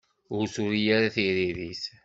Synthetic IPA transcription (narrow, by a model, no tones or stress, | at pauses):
ʊɾsuɾijaɾaθiɾiðis